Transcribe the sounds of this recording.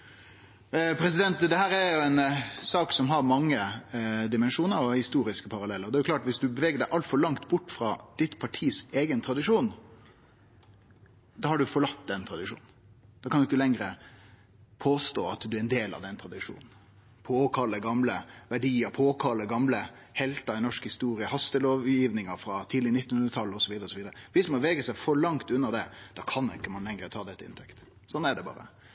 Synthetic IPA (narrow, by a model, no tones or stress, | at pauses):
pʰɾɛs̬ɪd̪ɛnt̪d̪ɛhæːɾæɾjʊɛnsɑːksɔmɦɑɾmɑŋːəd̪ɪmɛnʂuːnəɾɔhɪst̪uːɾɪskəpʰɑɾɑlɛlːəɾɔd̪ɛːjʊklɑːʈʋɪsd̪ʉbəʋɛːɡəɖæɪʔɑlt̪fɔɾɭɑŋt̪bʊʈːfɾɑd̪̥ɪt̪pʰɑʈʰiːseːɡənt̪ʰɾɑd̪ɪʂuːn | d̪ɑːhɑɖʉfɔɭɑt̪ːd̪ɛnt̪ʰɾɑd̪ɪʂṵːnn̩ | d̪ɑːkʰɑnd̪ʉɪkːəlɛŋɾə̰ | pʰoːst̪oːɑt̪d̪ʉæɾɛnd̪eːlɑ̰ʋd̪ɛnt̪ʰɾɑd̪ɪʂṵːnn̩ | pʰoːkʰɑlːəɡɑmləʋæɖiːəɾpʰoːkʰɑlːəɡɑmlə | hɛlt̪ɑɪnɔʂkhɪst̪uːɾɪəhɑst̪əloːʋjiːʋnɪŋəfɾɑt̪ʰiːd̪lɪnɪt̪ːnhʉnɾət̪ʰɑlːɔsɔʋiːd̪əɾɔsɔʋiːd̪əɾəʋɪsmɔʋeːɡəsæɪfɔɭɑŋt̪ʉnːəd̪ɛd̪̥ɑːkʰɑnːʊɪkːəmɑnlɛŋɾət̪ʰɑːd̪ɛt̪ːəɪ̰nt̪ʰɛkt̪ | sɔnːæɖɛbɑ̰ːɾə̰